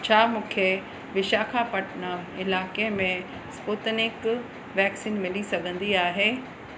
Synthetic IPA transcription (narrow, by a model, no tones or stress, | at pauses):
t͡ɕʰaːmũːkʰe | ʋɪʃaːkʰapɐʈnəɪlaːkemẽ | sput̪nɪk | ʋɛːksiːnmɪlisɐɡʱə̃nd̪iaːɦeː